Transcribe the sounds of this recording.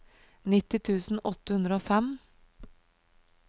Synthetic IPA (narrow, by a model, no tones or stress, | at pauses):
nɪt̪ɪt̪ʰʉːsn̩ʔɔt̪əhʉnd̪ɾəoːfɛm